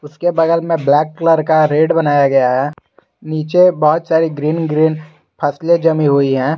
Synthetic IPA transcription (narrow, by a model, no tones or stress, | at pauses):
ʊskebɐɡəlmẽblɛːkːləɾkaɾeːɖbɐnaːjaɡɐjaɦɛː | niːt͡ʃebɔɦʊt̪saːɾiɡɾiːnɡɾiːn | pʰɐsled͡ʒɐmĩɦʊiɦɛ̃ː